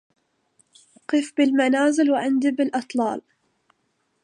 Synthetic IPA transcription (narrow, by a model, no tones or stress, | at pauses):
ʔqɨfbɪlmanaːzɪlwɪʕɪnd̪ibɪlʔɨt̪ˤlɑ̰ːl